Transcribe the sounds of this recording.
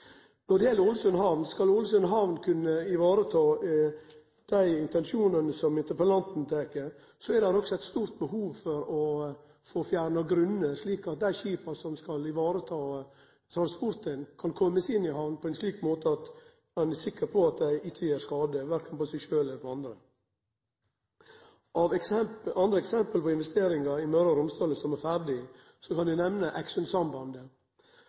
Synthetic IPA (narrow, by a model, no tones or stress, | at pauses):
nɔɖ̪jeːlːəɾʊlsœnɦɑʋnskɑlʊlsœnɦɑʋnkʰʉnːəɪʋɑːɾət̪ʰɑː | d̪̥æɪɪnt̪ɛnʂuːnənəsɔmɪnt̪əɾpəlɑnt̪n̩t̪ʰeːkəɾ | sɔɛɾd̪æɾɔksɔɛɪt̪st̪uːɾt̪̚bəɦuːʋfɔɾɔ | foːfjæːɾɳɑɡɾʉnːəɾʂliːkɑt̪̚d̪æɪçiːpɑsɔmskɑlɪʋɑːɾət̪ʰɑː | t̪ʰɾɑnspɔɾt̪ənkʰɑnkʰɔmːəsɪnːɪɦɑʋnpʰɔɛnsliːkmoːt̪əɑt̪ | mɛnæsɪkːəɾpʰɔɑt̪̚d̪æɪʔɪt͡ʃːəjæːɾskɑːd̪əʋæɾkʰənpɔsɛɪʂøːlɛləpɔɑnd̪ɾə | ʔɑʋɛsɑnd̪ɾəɛksɛmpəlpɔɪnʋɛst̪eːɾɪŋɑɪmœɾɑɾʊmst̪ɑːləsɔmæɾfæɾɖɪ | sɔkɑnd̪ʉnɛʋnəʔækʂənsɑmbɑnd̪ə